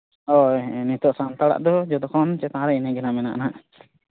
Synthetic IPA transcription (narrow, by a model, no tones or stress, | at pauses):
ɔnit̪ɔʔsant̪aɽa̰ʔd̪ɔd͡ʒɔd̪ɔkɔnt͡ʃɛt̪aɾɛinɛɡɛnamɛnaʔnaʔ